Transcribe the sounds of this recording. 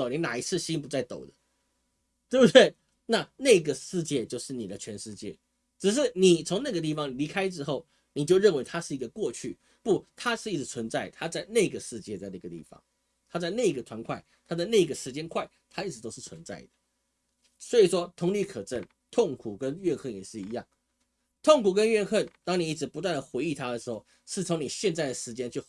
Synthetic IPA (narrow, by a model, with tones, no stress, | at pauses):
ɔ˨˩ni˧˥˦na˨˩i˧˥t͡sʰɻ̩˥˩ɕi˥npu˧˦t͡sa˥˩ɪt̪o˨˩ʊd̪ə̥˦ | t̪we˥˩bu˧˩t̪we˥˩ɪ | na˥˨na˥˩i˧ɡə˨ʂɻ̩˥˧t͡ɕjɛ˥˧t͡ɕjo˥˧ʊʂɻ̩˥˩ni˨˩d̪ə˦t͡ɕʰɥɛ˧˥nʂɻ̩˥˧t͡ɕjɛ̰˥˩ | ʈ͡ʂɻ̩˨˩ʂ̬ɻ̩˥˩ni˨˩t͡sʰʊ˧˥ŋna˥˩ɡə˩t̪̬i˥˩fɑ˧˦ŋi˨˩li˧˥kʰa˥ɪʈ͡ʂɻ̩˥xo˥˨ʊ | ni˨˩t͡ɕjo˥˧ʊɻə˥˩nwe˧˥ɪt̪ʰa˥ʂɻ̩˥˩i˧˥ɡə˧kwɔ˥˧t͡ɕʰy̰˥˩ | pu˥˨˩t̪ʰa˦˥ʂɻ̩˥˧i˥˩t͡sɻ̩˧t͡sʰwə˧˦nt͡sa˥˩ɪ˩t̪ʰa˥t͡sa˥˧ɪne˥˩ɡə˩ʂɻ̩˥˧t͡ɕjɛ˥˧t͡sa˥˧ɪna˥˩ɡə˨˩t̪ḭ˥˩fɑ̰˨˦ŋ | t̪ʰa˥t͡sa˥˧ɪna˥˩i˧ɡə˨t̪ʰwa˧˥nkʰwa˥˩ɪt̪ʰa˥t͡sa˥˧ɪne˥˩i˧ɡə˩ʂɻ̩˧˥t͡ɕjɛ˥nkʰwa˥˩ɪt̪ʰa˥i˥˩ʈ͡ʂɻ̩˧˥t̪o˥ʊʂ̩˥˩t͡sʰwə˧˦nt͡sa̰˥˩ɪd̪ə˩ | swɔ˧˥i˨˩ʂwɔ˦˥t̪ʰʊ˧˥ŋli˧˥˩kʰɤ˨˩ʈ͡ʂə˥˩n | t̪ʰo˥˩ŋkʰu˨˩kə˦˥nɥɛ˥˧nxə˥˩njɛ̰˨˩ʂɻ̩˥˩i˧˥jɑ̰˥˩ŋ | t̪ʰo˥˨˩ŋkʰu˨˩kə˦nɥɛ˥˧nxə˥˩nt̪ɑ˥ŋni˨˩i˥˩ʈ͡ʂɻ̩˧˥pu˧˥t̪wa˥˩nd̪ə˩xwe˧˥ɪi˥˩t̪ʰa˦˥d̪ə˩ʂɻ̩˧˥xo˥˩ʊ | ʂɻ̩˥˩t͡sʰo˧˥ŋni˨˩ɕjɛ˥˧nt͡sa˥˩ɪd̪ə˩ʂɻ̩˧˥t͡ɕjɛ˥nt͡ɕʰy˥˩